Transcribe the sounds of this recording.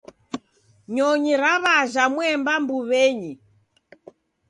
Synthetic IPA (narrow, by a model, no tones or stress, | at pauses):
ɲɔɲiɾaβaʒamwɛmbambuβɛɲi